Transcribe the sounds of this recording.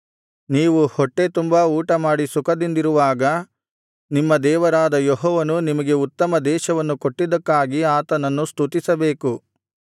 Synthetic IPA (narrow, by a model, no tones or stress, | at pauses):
niːʋuhɔʈːe̞t̪umbauːʈɐmaːɽisukʰɐd̪ind̪iɾuʋaːɡɐ | nimːɐd̪ɛːʋɐɾaːd̪ɐjɔɦɔːʋɐnunimɐɡe̞ut̪ːɐmɐd̪ɛːʃɐʋɐnːukoʈːid̪ɐkːaːɡiaːt̪ɐnɐnːust̪ut̪isɐbe̞ːku